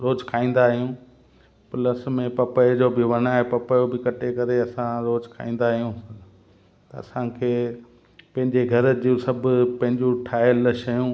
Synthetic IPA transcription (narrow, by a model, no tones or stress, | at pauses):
ɾoːd͡ʑkʰaːĩːn̆d̪aːɦijũː | pləsmẽpɐpəd͡ʑoːbɪʋɐnaːɦepɐpəjobɪkɐʈʰekɐɾeɐsãɾoːd͡ʑkʰa̰ːĩːn̆d̪aːɦijũ | t̪ɐɐ̰sãkʰeː | pɐ̃ɦɪ̃ɲd͡ʑeɡʱɐɾəd͡ʑũsɐbʱʊpɐ̃ɦɪ̃ɲd͡ʑũʈʰaːɪəlʃɐjũ